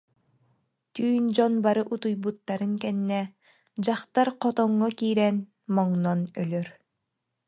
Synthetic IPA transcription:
t̪yːnd͡ʑɔnbaɾɯʔut̪ujbut̪ːaɾɯnkɛnːɛ | d͡ʑaχt̪aɾqɔt̪ɔŋːɔkiːɾɛn | mɔŋnɔnœlœɾ

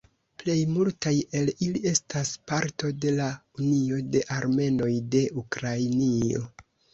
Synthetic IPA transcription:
ple̞jmultaje̞lilie̞staspaɾto̞de̞launio̞de̞ʔaɾme̞no̞jde̞ukɾajnio̞̰

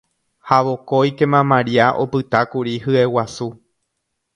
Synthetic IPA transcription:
haʋo̞kojke̞mãmãɾiaʔo̞̰pɨt̪akuɾihɨe̞wasu

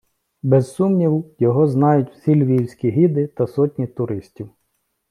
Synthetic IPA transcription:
bɛzsumnʲiwjɔɦɔznɑjʊtʲw̥sʲilʲʋʲiwsʲkʲiɦid̪ɪt̪ɐsɔtʲnʲit̪ʊɾɪsʲtʲiw

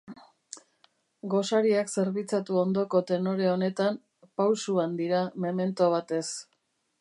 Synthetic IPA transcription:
ɡo̞saɾiakse̞ɾβit͡sat̪uo̞nd̪o̞ko̞t̪e̞no̞ɾe̞o̞ne̞t̪am | pawsuand̪iɾameme̞nt̪o̞β̞at̪e̞s

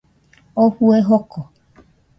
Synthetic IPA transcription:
ohueɦɔkɔ

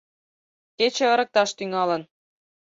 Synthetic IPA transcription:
ket͡ɕĕɤ̆ɾə̆k̚t̪ɑʃt̪yŋɑlɤ̆n

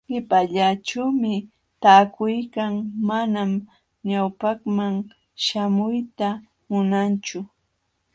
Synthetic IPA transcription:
ɢɪpaʎaʈ͡ʂawmɪ | t̪aːkʊjkaŋmanam | ɲawpaχmaŋ | ʃamʊjt̪a | mʊnant͡ʃʊ

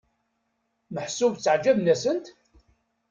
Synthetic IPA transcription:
məħsuvt͡sːəʕd͡ʒævnæsənt̪

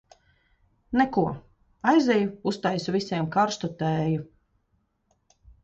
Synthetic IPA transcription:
nɛkuɔ | ajzɛjuust̪ajsuvisʲiɛmkaɾst̪ɔt̪ɛːju

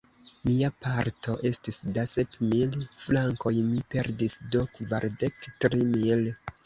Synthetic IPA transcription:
miapaɾtʰo̞ʔe̞stisdasepmilflaŋko̞jmipe̞ɾdisdo̞kva̰ɾdektɾimil

